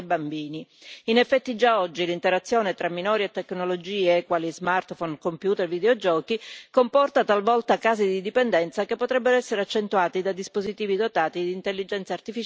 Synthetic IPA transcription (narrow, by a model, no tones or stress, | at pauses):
bambiːniinefːɛt̪ːid͡ʒaɔd͡ʒːilint̪eɾat̪sːjoːnet̪ɾʔamːinɔːɾiet̪ːeknolod͡ʒiːekwaːlizmart̪fɔnkompjuːt̪ervid̪eod͡ʒɔːkikompɔrt̪at̪alvɔlt̪akaːzid̪id̪ipend̪ɛnt̪sakepːot̪ɾɛbːeɾoɛsːeɾeat͡ʃːent̪uaːt̪id̪ad̪ispozit̪iːvid̪ot̪aːt̪id̪iːnt̪elːid͡ʒɛnt̪sart̪ifit͡ʃ